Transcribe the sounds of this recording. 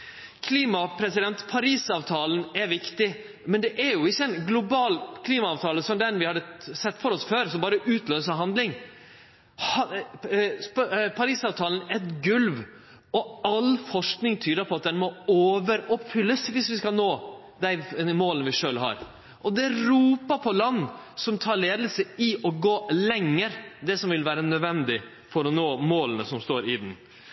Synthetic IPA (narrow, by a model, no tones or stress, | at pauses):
kʰliːmɑpʰɾɛsɪd̪ɛnt̪pʰɑɾiːsɑːʋt̪ʰɑːln̩ɛɾʋɪkt̪ɪ | mɛnd̪ɛʔæɾjʊɪçːəɛɪnɡlʊbɑːlkʰliːmɑɑːʋt̪ʰɑːləsɔmd̪ɛnʋɪhɑd̪ːəsɛt̪ːfɔɾɔsføːɾsɔmbɑːɾəʔʉːt̪ʰløːsəɦɑnd̪lɪŋ | hɑ | ppʰɑɾiːsɑːʋt̪ʰɑːlnɛt̪ɡʉlʋ | ɔɑlfɔʂknɪŋt̪ʰyːd̪əɾpʰɔɑt̪̚d̪ɛnmɔoːʋəɾɔpfʏlːəsʋɪsʋɪskɑnoː | d̪æɪmoːlənəʋɪʂøːlɦɑ̰ɾ | ʔɔd̪ɛɾuːpəpʰɔlɑnːsɔmt̪ʰɑːɾleːd̪əlsəɪʔɔɡoːlɛŋːəɾd̪ɛsɔmʋɪlʋæːɾənœd̪ʋɛnd̪ɪ | fɔɾɔnoːmoːlənəsɔmst̪oːɾɪd̪n̩